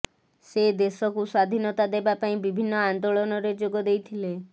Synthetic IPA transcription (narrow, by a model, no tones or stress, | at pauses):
sed̪esɔkuswad̪ʱinɔt̪ad̪ebapaĩbibʱinːɔand̪oɭɔnɔɾed͡ʒoɡɔd̪ejt̪ʰile